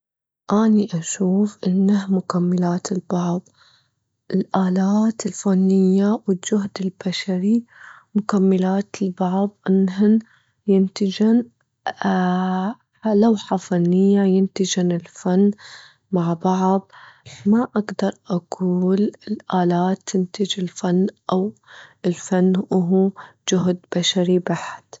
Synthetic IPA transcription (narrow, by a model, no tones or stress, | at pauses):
ʔaːniʔaʃuːfʔɪnːahmʊkamːalaːt̪ʰɪlbɑʕb | ʔɪlʔaːlaːt̪ɪlfanːɪjːawɪld͡ʒʊɦd̪ɪlb̥aʃaɾimʊkamːɪlaːt̪ɪlbɑʕb̚ʔɪnɦɪn | jɪnt̪ɪd͡ʒan | alawħafanːɪjːajɪnt̪ɪd͡ʒanɪlfanː | maʕbɑʕb̚maʔaɡd̪ɑɾˤʔaɡuːlɪlʔaːlaːt̪ːɪnt̪ɪd͡ʒɪlfanːʔawɪlfanːʔʊɦud͡ʒʊɦd̪b̥aʃaɾibaħt̪